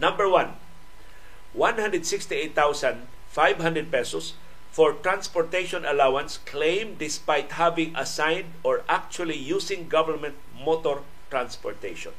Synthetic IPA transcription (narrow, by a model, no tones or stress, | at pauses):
nãmbəɹwãn | wãnhãnd̪ɹɛd̪sɪkst̪iejt̪ːawsãnd̪ | fajvhãnd̪ɹɛd̪̚pɛsɔs | fɔɹt̪ɹãnspɔɹt̪ejʃɔ̃nʔɐlawãnsklẽjmd̪ɪspajt̪havɪ̃ŋʔa̰sãjnd̪ɔɹʔak̚t͡ʃualijusɪ̃ŋɡavəɹmɛ̃nt̪̚ | mot̪ɔɹ | t̪ɹãnspɔɹt̪ejʃɔ̰̃n